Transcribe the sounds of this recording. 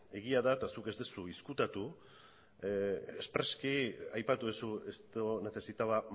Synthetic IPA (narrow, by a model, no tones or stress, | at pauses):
e̞ɣiaðaet̪asuke̞zd̪esuiskut̪at̪u | espɾe̞skiajpat̪uðesue̞st̪one̞θe̞sit̪aβa